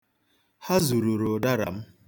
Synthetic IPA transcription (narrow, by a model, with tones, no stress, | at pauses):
ha˦zu˨ɾu˨ɾo˨da˦ɾa̰˨m̩˦